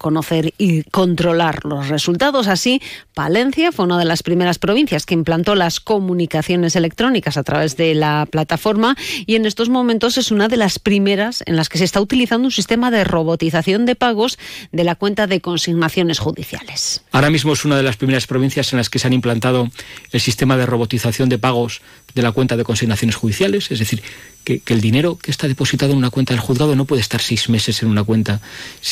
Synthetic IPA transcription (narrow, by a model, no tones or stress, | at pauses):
ko̞no̞θe̞ɾiko̞nt̪ɾo̞laɾlo̞sre̞sult̪aðo̞sasipale̞n̟θjafwe̞unað̞e̞laspɾime̞ɾaspɾo̞β̞in̟θjaskeimplant̪o̞lasko̞mũnikaθjo̞ne̞se̞le̞k̚t̪ɾo̞nikasat̪ɾaβe̞zðe̞laplat̪afo̞ɾmaie̞ne̞st̪o̞zmõ̞mẽnt̪o̞se̞sunaðe̞laspɾime̞ɾase̞̰nlaske̞sest̪aut̪iliθand̪ũnsist̪e̞maðe̞ro̞β̞o̞t̪iθaθjo̞nd̪e̞paɣ̞o̞zðe̞lakwe̞nt̪aðe̞ko̞nsiɣnaθjo̞ne̞sxuðiθja̰le̞saɾamizmoesunaðe̞laspɾime̞ɾaspɾoβin̟θjase̞nlaske̞seanimplant̪að̞oe̞lsist̪e̞maðe̞ro̞βo̞t̪iθaθjo̞nd̪e̞paɣ̞o̞z | ðe̞lakwe̞nt̪aðe̞ko̞nsiɣnaθjo̞nesxuðiθjale̞se̞zðe̞θiɾ | keke̞ld̪ine̞ɾo̞kest̪aðe̞po̞sit̪aðonunakwe̞nt̪aðelxuðɣaðo̞no̞pweðe̞st̪aɾsejzme̞se̞senunakwe̞nt̪a